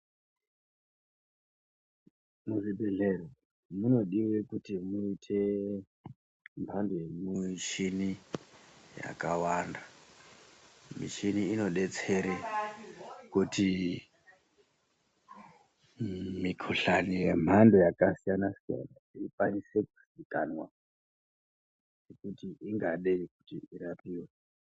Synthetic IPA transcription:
muʐibʱeɮero | muno̞ɗiwe̞kutimuitʰe̞ | m̤andojemuʃini | ja̰kawanda | mḭʃiniːno̞ɗe̞t͡se̞ɾe | kuti | mikʰuɬanijem̤ʱando̞jakasijanasija̰na̰ikwanise̞ku̥sikanwa | nekutiiŋɡaɗeiku̥tiiɾapiːwe

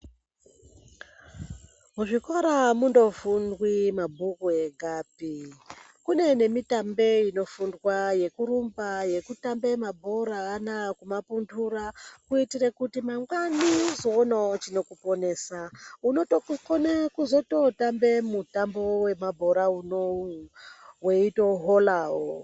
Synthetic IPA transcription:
muʐikoɾamundo̞fundwimabʱukue̞ɡʱaːpi | kune̞ne̞mitambe̞ino̞fundwaje̞kurumbaje̞kutambe̞mabʱo̞ɾaːnakumapundurakuitirekutimaŋɡwanizoːnat͡ʃino̞kupo̞ne̞ːsauno̞tokonekuzo̞to̞tambe̞mutambo̞we̞mabʱo̞ɾauno | weitoɦolaːwo

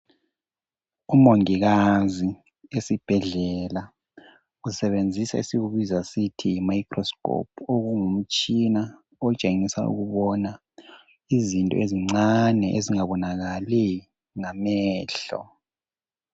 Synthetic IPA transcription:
umoŋiɣazi | esib̥ʱɛɮɛla | usɛβend͡zʱisa̰isiɣuβizasitʰiimaikʰʼrɔskɔ̰p̚ʰoɣuŋum̩t͡ʃʼina | ɔt͡ʃʼeŋisa̰ʔṵɣuβɔna | izintʼɔ̰eziŋ͡ǀanɛʔeziŋaβɔnaɣali | ŋamɛːɬɔ̰

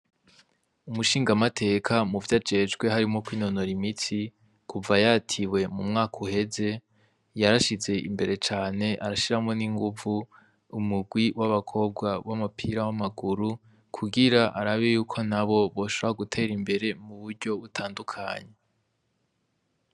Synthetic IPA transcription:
umuʃiːŋɡamatʰe̞ːkʰamuvjad͡ʒe̞d͡ʒɡwe̞ɦaɾimŋo̞kwiːno̞no̞ɾimit͡si | kʰuvajatʰiwe̞mumŋaːkʰuhe̞ze̞ | jaɾaʃize̞ʔḭmbe̞ɾe̞t͡ʃaːne̞ʔaɾaʃiɾamŋo̞niŋɡuvu | umuɡwiwʔaβakʰo̞b̚ɡwaβamupʰiɾawamaɡuɾu | kʰuɡiɾaʔaɾaβejuːkʰo̞naβo̞βo̞ʃoβɾahaɡutʰe̞ːɾimbe̞ɾe̞muβuɾɟo̞βutʰaːndukʰa̰ɲe̞

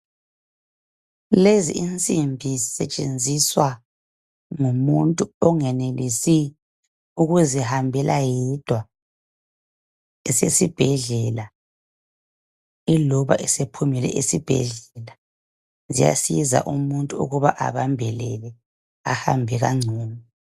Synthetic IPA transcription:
leziint͡sʼimbʱisɛt͡ʃʼend͡zʱiswa | ŋumuntʼuɔŋɛnelisi | uɣuzihambʱɛlʔajid̥ʱwa | ɛsesib̥ʱɛɮɛla | ilɔβa̰ʔɛsepʰumilɛ̰ʔisib̥ʱɛ̰ɮɛla | zḭja̰siza̰ʔumuntʼuṵɣuβaʔa̰βambʱɛlɛlɛ | a̰hambʱɛɣa̰ŋ͡ǀʱuːmɔ

